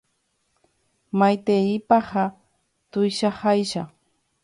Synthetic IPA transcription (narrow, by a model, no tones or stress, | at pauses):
majt̪eipɑχa | t̪ʊjʃaχajʃa̰